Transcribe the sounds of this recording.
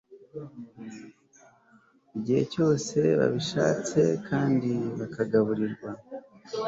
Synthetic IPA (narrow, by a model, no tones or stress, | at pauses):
iɟihe̞̰co̞ːse̞βa̰βiʃa̰ːt͡se̞̰kʰaːndiβakaɡaβuɾiɾɡwa